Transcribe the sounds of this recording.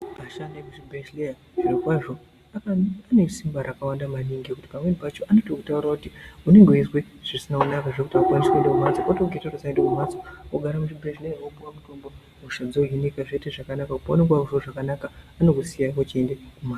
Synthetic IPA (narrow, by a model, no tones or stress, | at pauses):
paʃandekuʐibreʃleja | ʐirokwaʐo̞ | akanesimbaɾakawandamaniŋɡekuti̥pamwedpat͡ʃoʔanotoku̥taurakutiune̞ŋɡeuizweʐ̥isinakunakaʐekutiakwanise̞ndekumat͡sokotoɡʱetarosaendekumat͡sooɡʱaɾamuʐibʱreʃlejawobuwamuto̞mbo̞ | muʃad͡zojinikaʐeteʐakanakakupaneɡwauʐoʐakanakaːnokusijakot͡ʃiendekumaːt͡s